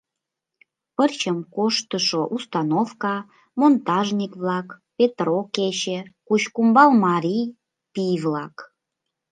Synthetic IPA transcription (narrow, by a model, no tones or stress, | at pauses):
pərt͡ɕəmkoʃt̪əʃoʔust̪ɑnofkɑ | mont̪ɑʒnʲikβlɑkpet̪roket͡ɕekut͡ɕkumbɑlmɑɾʲij | pijvlɑk